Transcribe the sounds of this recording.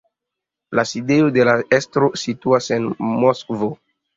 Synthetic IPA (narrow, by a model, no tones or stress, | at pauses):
lasideodelaestɾosituasenmoskvo